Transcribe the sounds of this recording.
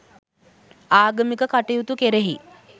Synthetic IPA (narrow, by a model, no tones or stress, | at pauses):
aːɡəmikəkaʈejut̪ukeɾeɦḭ